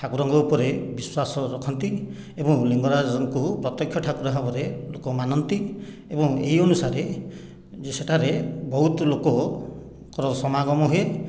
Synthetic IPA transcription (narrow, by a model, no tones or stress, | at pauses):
ʈʰakuɾɔŋɡɔupɔɾebiswasɔɾɔkʰɔnt̪i | ebɔŋliŋɡɔɾad͡ʒɔŋkupɾɔt̪jɔkʰjɔʈʰakuɾaɦabɔɾelokɔmanɔnt̪i | ebɔ̃ŋḛiɔnusaɾe | d͡ʒeseʈʰaɾebɔɦut̪ɔlokɔ | kɔɾɔsɔmaɡɔmɔɦue